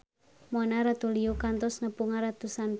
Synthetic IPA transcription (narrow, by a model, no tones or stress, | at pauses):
mɔnaɾat̪uliokant̪ɔsnəpuŋaɾat̪usan